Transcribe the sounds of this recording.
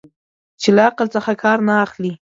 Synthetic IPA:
t͡ʃelaaqəlt͡səxakʰɑɾnaːxli

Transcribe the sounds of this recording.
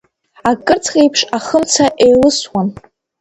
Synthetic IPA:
akʼɨrt͡sʰχʲʼejpʰʂaχəmt͡sʰaʔejlɨswan

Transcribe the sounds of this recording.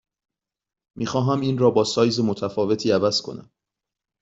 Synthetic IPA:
mʔiːxɒːɦæmiːnrɒːbɒːsɒːjzemot̪ʰæfɒːve̞t̪ʰiːævæz̥kʰo̞̰næ̰m

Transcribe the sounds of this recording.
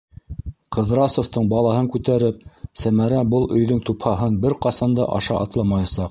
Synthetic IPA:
qɤ̆ðɾɑsŏft̪ɤɴbɑlˠɑɦɤŋkʉt̪æɾɘp̚sæmæɾæbɤlˠʔɵ̆jðɵŋt̪uphɑɦɤnbɘɾqɑsɑnd̪ɤ̰ʔɑ̰ʃɑʔɑ̰t̪lˠɑmɑjɑsɑq

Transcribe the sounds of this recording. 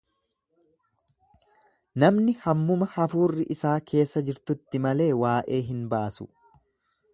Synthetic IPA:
nɐmnɪhɐmːʊmɐhɐfuːrːɪʔɪsaːkʰe̞ːsːɐd͡ʒɪɾt̪ʊt̪ːɪmɐle̞ːwaːʔe̞ːɦɪnbaːsʊ̰

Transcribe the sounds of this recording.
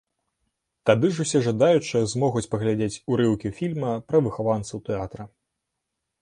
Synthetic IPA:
t̪ad̪ɨʐusʲɛʐad̪ajut͡ʂɨzmɔɣut͡sʲpɐɣlʲad͡zʲet͡sʲuɾɨwkʲifʲilʲmɐpɾɐvɨxavant̪sɐwt̪ɛat̪ɾɐ

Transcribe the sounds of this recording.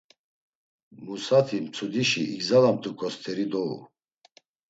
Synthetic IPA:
musat̪ʰimt͡sʰud̪iʃiiɡzalamt̪ʰukʰʼɔst̪ʰɛɾid̪ɔṵ

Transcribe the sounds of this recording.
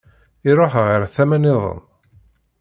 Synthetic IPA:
iɾoħəʁaɾθæmænɪðˤə̰n

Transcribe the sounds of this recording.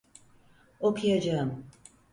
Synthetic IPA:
okʰujad͡ʒaɯm

